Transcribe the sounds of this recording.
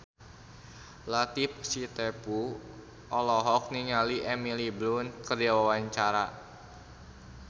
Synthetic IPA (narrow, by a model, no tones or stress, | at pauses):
lat̪ip̚sit̪ɛpu | ʔɔlɔɦɔk̚niŋaliʔɛmiliblunkərdawawaɲt͡ʃaɾa